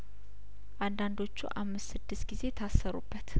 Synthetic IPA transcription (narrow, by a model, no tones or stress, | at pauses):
ʔand̪and̪o̞t͡ʃːṵʔamːɨst̪sɨd̪ːɨst̪ɡize̞t̪ʰasːəɾṵbːət̪